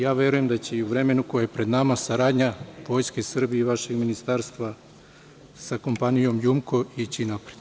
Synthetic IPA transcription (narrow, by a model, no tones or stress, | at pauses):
jaːʋe̞ɾuje̞md̪at͡ɕeiuʋɾe̞me̞nuko̞jajepɾe̞d̪namasaɾaːd̪ɲaʋo̞ːjskeisr̩bieiʋaʃe̞ɡminist̪aːɾst̪ʋa | sako̞mpanijo̞mjumko̞it͡ɕinapɾed̪